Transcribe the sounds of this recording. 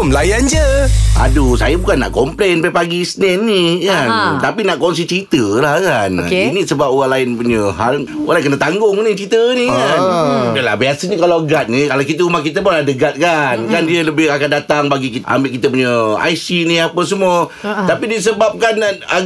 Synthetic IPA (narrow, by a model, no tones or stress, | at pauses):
mlajand͡ʒəa̰dusajəbukanːa̰ʔkɔmplenpapaɡisnɛnːikant̪apinaʔkɔns̬it͡ʃəit̪əlahkankinĩsəbap̚oɣaŋlajɪnpuɲəɦaloɣaŋlankənət̪aŋɡʊŋnit͡ʃəit̪ənikanəla̰biasəɲəkalawɡat̪̚nə̃kalakit̪̬əumahkit̪əmaladəɡat̪̚kankandiələbɪhakandat̪aŋbaɡikia̰mbɪʔkit̪əpuɲəa̰jsiniapəsəmuət̪apidis̬əbap̚kana